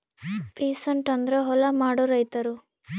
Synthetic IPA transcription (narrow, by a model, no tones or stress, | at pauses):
peːsɐɳʈɐnd̪ɾeɦɔlɐmaːɽuɾɐjt̪ɐɾu